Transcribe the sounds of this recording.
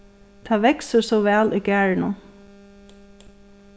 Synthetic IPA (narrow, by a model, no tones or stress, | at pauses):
t̪ʰaːʋɛksəɾsɔʋæːlʔiːɡæːɹnə